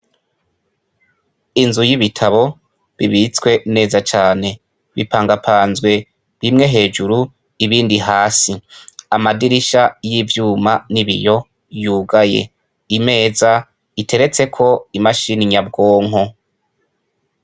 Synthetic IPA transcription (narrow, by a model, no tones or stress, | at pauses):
inzujiβitʰaβo̞ | βiβit͡swe̞ne̞ːzat͡ʃaːne̞ | βḭpaːŋɡapʰaːnzɡwe̞ | βimŋe̞ɦe̞ːd͡ʒuɾu | iβiːndiɦaːsiamadiɾiʃajivjuːmaniβḭjo̞ | juːɡaje̞̰ | ime̞ːza | itʰe̞ɾe̞t͡se̞kʰo̞imaʃiniɲab̚ɡoːŋɦo